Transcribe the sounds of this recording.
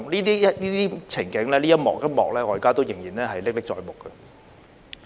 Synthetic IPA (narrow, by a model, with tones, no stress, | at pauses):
liː˥t̪iː˥ɐ˥liː˥t̪iː˥t͡sʰɪ˨˩ŋkɪ˨˥ŋlɛː˥liː˥jɐ˥t̚mɔ̰ː˨k̚jɐ˥t̚mɔː˨k̚lɛː˦˥ŋɔː˨˧jkaː˥t̪o˥wjɪ˨˩ŋjiː˨˩nlɛː˦˥ɦɐ˨jlɪ˥k̚lɪ˥k̚t͡ʃɔː˧jmʊ˨˩kːə˧